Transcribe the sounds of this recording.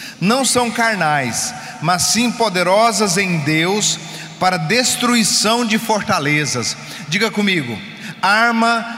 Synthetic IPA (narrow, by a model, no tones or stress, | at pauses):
nɐ̃w̃sɐ̃w̃kaɾnajs | mɐsːĩpod̪eɾɔzɐzẽj̃d̪ews | paɾɐd̪est̪ɾuisɐ̃w̃d͡ʒɪfoɾt̪alezɐs | d͡ʒiɡɐkõmiɡʊ̰ | aɾmɐ